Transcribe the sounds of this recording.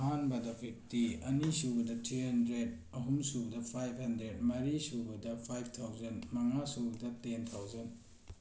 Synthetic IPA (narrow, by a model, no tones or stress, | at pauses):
ɦanbɐdɐpʰek̚tiɐnisubɐdɐtʰɾiɦɐndɾed̚ | ɐɦumsuɡdɐpʰajb̚ʰʱhɐndɾed̚mɐɾisubɐdɐpʰajb̚ʰtʰawzɐnmɐŋasuɡdɐtentʰawzɐn